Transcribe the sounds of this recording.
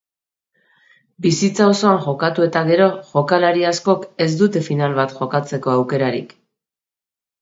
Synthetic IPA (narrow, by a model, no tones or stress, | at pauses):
bisit͡saoso̞aŋʝo̞kat̪ue̞t̪aɣe̞ɾo̞ʝo̞kalaɾiasko̞ke̞zd̪ut̪e̞finalβat̪ʝo̞kat͡se̞ko̞awke̞ɾaɾḭk